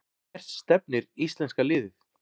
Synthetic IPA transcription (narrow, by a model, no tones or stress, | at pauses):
r̥sːt̪ɛp̚nɪɾist̪lɛnskalɪːðɪθ